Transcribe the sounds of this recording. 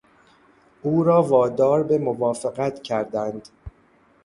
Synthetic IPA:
ʔuːɾɒːvɒːd̪ɒːɾbemovɒːfeɣæt̪ʰcʰæɾd̪ænd̪

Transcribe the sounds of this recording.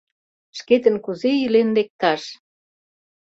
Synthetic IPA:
ʃket̪ə̆nkuzeilenlek̚t̪ɑʃ

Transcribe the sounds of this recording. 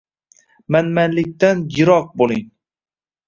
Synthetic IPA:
manmanlɪk̚ʲt̪anjɪɾɒq̚bolˠɪŋ

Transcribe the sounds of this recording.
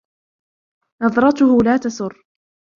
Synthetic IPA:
nɑðˤɾˤɑt̪ʊhʊlaːt̪ɑsʊrː

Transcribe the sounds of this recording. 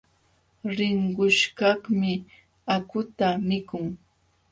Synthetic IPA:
ɾɪɴɢʊʃkɑhmɪ | akʊt̪amɪkʊŋ

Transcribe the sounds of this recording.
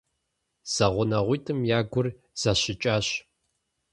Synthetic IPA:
z̥ɐʁʷʊnɐʁʷʊːtʰɨmjaːɡʷʊr | z̥aɕɪt͡ʃʼaːɕ

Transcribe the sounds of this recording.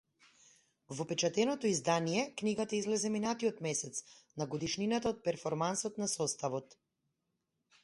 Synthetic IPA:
vɔpɛt͡ʃat̪ɛnɔt̪ɔizd̪anijɛkniɡat̪aizlɛzɛminat̪iɔt̪mɛsɛt̪snaɡɔd̪iʃninat̪aɔt̪̚pɛɾfɔɾmansɔt̪nasɔst̪avɔt̪

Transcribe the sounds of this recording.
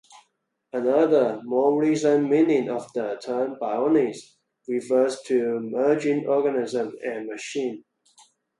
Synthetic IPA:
ənʌðəmɔɹisə̃nmĩnɪ̃ŋɔvðətʰɜnbaɪɔniz | ɹifɜztʰumɜd͡ʒɪ̃ŋʔɔɡənɪzə̃mɛ̃nməʃĩn

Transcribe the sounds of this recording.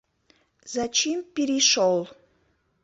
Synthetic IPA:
zat͡ɕimpeɾiʃolˠ

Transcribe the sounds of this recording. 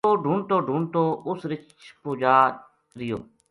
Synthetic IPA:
oːɖʱuːɳʈ̪oːɖʱuːɳʈ̪oːʔʊsɾɪt͡ʃ | puːd͡ʒaː | ɾɪjo̰ː

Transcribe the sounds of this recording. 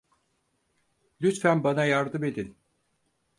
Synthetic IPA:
lʲyt̪fænbanajaɾd̪ɯme̞d̪in

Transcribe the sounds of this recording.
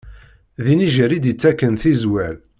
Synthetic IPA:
ðiniʒəɾid̪ət͡sːækːənθizwæl

